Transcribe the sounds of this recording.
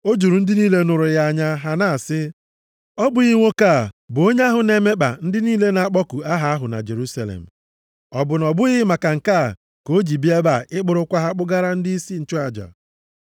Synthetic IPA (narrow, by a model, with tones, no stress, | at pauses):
o˦d͡ʒu˨ɾu˨n̩˦dɪ˦niː˦le˦nʊ˨ɾʊ˨ja˦a˦˨ɲa˦ɦa˦na˦˨sɪ˦ | ɔ˦bʊ˨ɣi˦ŋʷo˦ka˦˨bo˦ɲe˦a˦ɦʊ˨ne˨me˦k͡pa̰˨n̩˦dɪ˦niː˦le˦na˨a˦˨k͡pɔ˦ku˨a˦ɦa˦a˦ɦʊ˨na̰˨d͡ʒe˨ɾu˦sa˨lḛ˨m̩˨ | ɔ˨bʊ˨nɔ˨bʊ˦ɣɪ˦ma˨ka˨ŋ̩˨ka˦˨ | ko˦d͡ʒi˨bi˦e˦ba˨ʔɪ˦k͡pʊ˨ɾʊ˦kʷa˦ɦa˦k͡pʊ˦ɡa˦ɾa˦n̩˦di˦si˦n̩˦t͡ʃʊ˦a˨d͡ʒa̰˨